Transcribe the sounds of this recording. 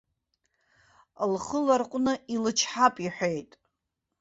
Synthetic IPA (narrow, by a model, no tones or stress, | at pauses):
lχəlarqʷʼnɨilɨt͡ʃʰħapʼiħʷᶣejtʼ